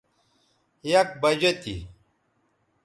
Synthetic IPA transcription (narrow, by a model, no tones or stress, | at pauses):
jɐk̚bɐd͡ʑɐt̪ḭ